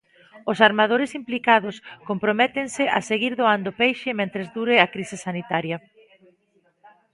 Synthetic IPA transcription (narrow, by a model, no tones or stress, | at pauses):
ʊsaɾmað̞oɾɪsimplikaðʊskompɾomɛt̪ɪŋsɪʔɐseɣiɾðoand̪opejʃɪmẽnt̪ɾezðuɾɪɐkɾisɪsanit̪aɾjɐ